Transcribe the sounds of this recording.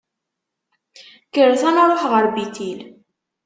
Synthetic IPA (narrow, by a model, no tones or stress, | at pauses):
kəɾθænəɾˤoħʁəɾˤbit̪il